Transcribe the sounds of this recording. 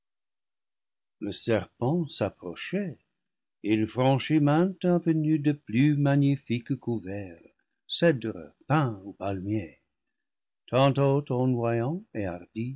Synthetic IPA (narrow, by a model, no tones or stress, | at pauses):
ləsɛʁpɑ̃sapʁɔʃɛ | ilfʁɑ̃ʃimɛ̃t̪ãvənyd̪əplymaɲifikkuvɛʁ | sɛdʁə̰pɛ̃upalmje | t̪ʰɑ̃t̪ot̪ɔ̃nwajɑ̃eaʁd̪i